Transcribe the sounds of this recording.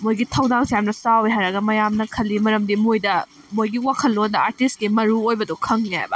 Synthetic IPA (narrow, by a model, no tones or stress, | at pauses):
mojɡitʰɐwdaŋsijamnɐsawiɦajɾɐɡɐmɐjamnɐkʰɐlːimɐɾɐmdimojdɐ | mojɡiwakʰɐlːondɐaɾtistɡimɐɾuojbɐdukʰɐŋniha̰jbɐ̰